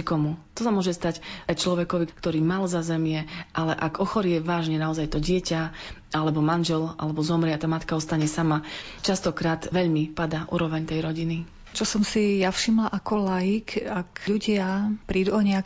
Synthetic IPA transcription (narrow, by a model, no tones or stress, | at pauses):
ikɔmut̪ɔsamʊɔʒɛst̪acajt͡ʃlɔʋɛkɔʋikt̪ɔɾiːmalzazɛmɪɛʔalɛʔaɡɔxɔɾɪɛʋaːʒɲɛnaɔzajt̪ɔɟɪɛca | alɛbɔmanʒɛlʔa̰lɛbɔzɔmɾɪat̪aːmat̪kaɔst̪aɲɛsama | t͡ʃast̪ɔkɾaːt̪ʋɛʎmipad̪aʔṵːɾɔʋɛɲt̪ɛjɾɔɟini | t͡ʃɔsɔmsijafʃimlaʔakɔlajikakʎuɟɪapɾiːd̪uɔɲɛak